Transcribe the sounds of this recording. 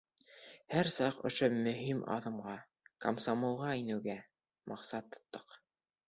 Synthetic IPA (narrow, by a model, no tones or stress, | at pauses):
hæɾsɑqŏ̰ʃomɵ̆ɦimʔɑ̰ðɤ̆mʁɑ | kɐmsamolˠʁɑinɘ̆wɡæ | mʔɑqsɑt̪ːŏ̥t̪ːɤq